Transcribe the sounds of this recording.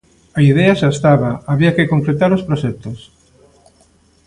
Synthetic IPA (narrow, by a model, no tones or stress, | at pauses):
aiðɛaʃast̪aβɐaβiɐkɪkoŋkɾet̪aɾospɾoʃɛt̪os